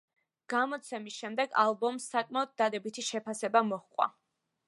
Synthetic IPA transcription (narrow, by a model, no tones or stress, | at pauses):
ɡ̥amɔt̪sʰɛmisʃɛmd̪ɛɡa̰lˠbɔmsːakʼmaɔd̪̚ːad̪ɛbit̪ʰiʃɛpʰasɛbamɔχqʼwa̰